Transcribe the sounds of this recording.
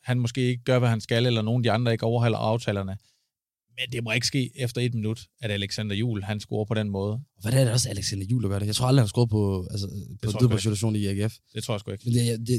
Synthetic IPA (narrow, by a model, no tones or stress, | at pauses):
hænmɒ̽sɡ̥e̝̰ːe̝ɡ̥əɡ̥ɶɐʋæɦænsɡ̥ælelɐno̝ːn̩d̥iɑ̈nd̥ʁɐe̝ɡ̥ɒʊɐɦæl̰ɐ̰ɑ̈ʊt͡sʰɛ̰ːlɐnə | mend̥e̝mɒe̝ɡ̥əsɡ̥e̝̰ːefd̥ɐe̝d̥̚minud̥æɾ̥æleɡ̥sænd̥ɐjṵːlhænsɡ̥o̝ɐpʰɒ̽ɾ̥enmɔ̽ːð̞ˠɒʋæɾænɐɾeɒ̽sæleɡ̥sænd̥ɐjṵːldɐɡɶɐɾejɑt͡sʰo̰l̥dʁihænsɡ̥o̰ɐpʰɒælsəpʰɒeðˠb̥æsiɾʰɕ̬o̰ːnieɡ̥efd̥e̝̥t͡sʰo̰ɐ̰jsɡ̥ueɡ̥menejde